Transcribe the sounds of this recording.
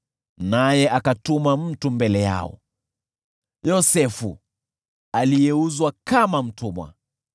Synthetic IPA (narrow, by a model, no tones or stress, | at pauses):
najɛʔakatumam̩tumbɛlɛja̰ɔ̰ | jɔsɛfu | alijɛuzwakamam̩tumwa̰